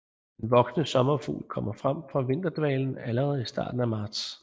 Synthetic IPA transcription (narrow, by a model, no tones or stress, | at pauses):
d̥enʋɒ̽ɡ̥snəsɒ̽mɐfṵːlkʰɒ̽m̰ɐfʁam̰fʁɑ̈ʋe̝n̰d̥ɐd̥ʋɛ̰ːln̩æləʁɛðˠisd̥ɑ̰̈ːd̥n̩æmɑ̈ːd̥s